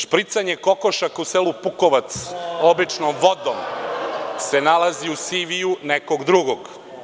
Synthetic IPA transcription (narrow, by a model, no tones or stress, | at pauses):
ʃpɾit̪saɲekokoʃakuseːlupukoʋat̪soblit͡ʃnomʋod̪om | se̞nalˠaziusiʋijunekoɡd̪ɾuɡoɡ